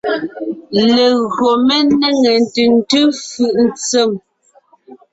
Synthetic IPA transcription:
le˨ɣɰo˨me˦ne˦ŋe˨n˨tʉ˨n̩˦tʉ˦fɯ˨ʔn̩˨t͡se˦˨m

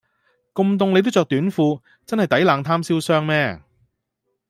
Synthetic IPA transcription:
kʊ˧ŋmt̪ʊ˧ŋle˨˧t̪̬wt͡ʃœː˨k̚t̪yː˨˥nfuː˧ | t͡sɐ˥nhɐ˨jt̪ɐ˨˥jlaː˨˧ŋt̪ʰaː˥msiː˥wsœː˥ŋmɛː˥

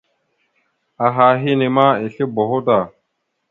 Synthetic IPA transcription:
a˨ɦa˨ɦi˦ni˨ma˦i˨ɬi˦bo˨ɦo˦ta˨

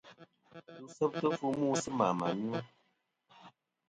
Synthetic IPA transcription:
tu˨sə˦p̚tə˦fu˦mu˦˨sɨ˦ma˨ma̰˨ni˦o˦

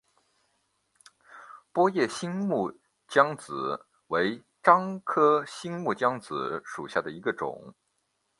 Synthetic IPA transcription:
pwɔ˥jɛ˥˩ɕi˥ŋmu˥˩ | t͡ɕjɑ˥ŋt͡sɹ̩˨˩˦ | we˧˥ɪ | ʈ͡ʂɑ˥ŋkʰɤ˥ɕi˥ŋmu˥˩t͡ɕjɑ˥ŋt͡sɹ̩˧˩˦ʂu˨˩ɕja˥˩d̪ə˩i˧˥ɡə˧ʈ͡ʂʊ̰˨˩˦ŋ

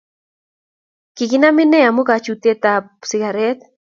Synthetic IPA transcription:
kɪ˨ɡɪna˦mɪ˦nɛ˦a˨mu˦kat͡ʃu˨t̪e˦t̪a | sɪ˨ɡaɾɛt̪

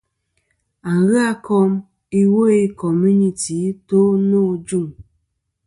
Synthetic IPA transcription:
a˨ŋɣɨ˦a˦kɔ˦m | i˦wo˦i˦kɔ˨mu˦ni˨ti˨˦to˦no˦d͡ʒu˦˨ŋ

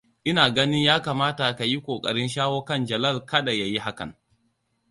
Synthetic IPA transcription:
ʔɪ˦naː˨ɡɐ˦nɪ˦ɲjaː˦kaː˨maː˦ta˨ka˨ji˦kʷoː˨kʼɐ̰˨ɽɪ˦nʃaː˦woː˦kɐ˦˨nd͡ʒɐ˨lɐ˦˨lkɐ˦ɗa˨ja˨ji˦ɦa˦kɐ̰˨n

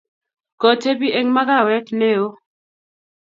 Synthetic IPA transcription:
kɔ˨te˦bi˦ʔe˦ŋma˦ka˦˨wɛ˦tne˦˨o˦

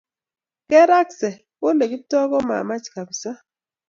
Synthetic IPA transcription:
kɛ˦ɾa˦ksɛ˨ | wo˦le˨ki˦tɔ˦kɔ˦ma̰˨ma˦t͡ʃka˨bi˨sa˦

